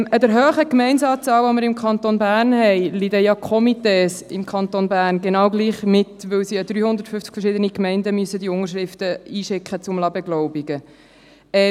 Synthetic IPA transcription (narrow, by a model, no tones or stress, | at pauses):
ədəɾɦøːχəkmɛɪnsɑːt͡sɑːlʋɔməɾɪmkʰχɑnt̪onbæːrnhɛɪlidəjɑkʰɔmiteːsɪmkʰɑnt̪onbæːrnɡenɑːwɡliːχmɪtʋɵwsiəd̥̪ɾyːhʊnd̪əɾtfʏft͡skfəɾʃɪdənikmɛɪndəmyəsːəd̪iʊŋəɾʃɾɪft̪əiːʃɪkχət͡sʊmlɑbɛɡlɔʊbiɡ̥ə | ɛ